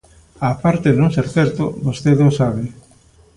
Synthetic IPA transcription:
aːpaɾt̪eðnõŋseɾθɛɾt̪o̰bost̪eðosaβe

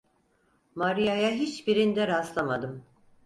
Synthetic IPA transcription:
maɾijajaɦit͡ʃbiɾind̪ɛɾaslˠamad̪ɯm

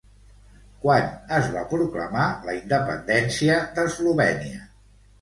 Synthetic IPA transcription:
kwanəzβa̰pɾuklə̰maləind̪əpə̰nd̪ɛnsiəðəzluβɛniə

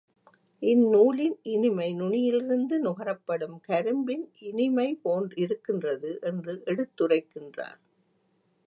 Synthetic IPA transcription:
ʔɪnːuːlɪnʔɪnɪmɐɪnʊɳɪjɪlɪɾɯnd̪ɯnʊɣɐɾɐpːɐɽɯmkɐɾɯmbɪnʔɪnɪmɐɪpoːndɪɾɯkːɪndrɐðɯʔɛndrɯʔɛɽɯt̪ːɯrɐɪkːɪndra̰ːɾ

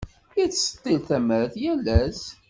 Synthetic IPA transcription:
jət͡sːsə̥t̪ˤːilθæməɾθjælːæs

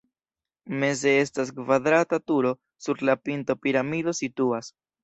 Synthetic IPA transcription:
me̞ze̞e̞stas̬kvad̪ɾatatuɾo̞ | suɾlapinto̞piɾamido̞situas

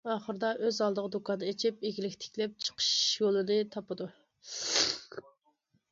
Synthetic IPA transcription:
ɑːχəɾd̪ɑʔøzɑlˠd̪əʁəd̪ukɑd̪ɨet͡ʃʰɪpeɡʲilɪkʲt̪ʰɪ̥kʲlɛp̚t͡ʃʰə̥qʰə̥ʃjolˠɨd̪ɨt̪ʰɑpɨd̪u

